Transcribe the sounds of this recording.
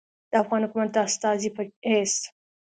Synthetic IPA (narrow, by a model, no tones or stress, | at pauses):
d̪̥əafɣɑnhʊkumat̪̚d̪əast̪ɑzipəhes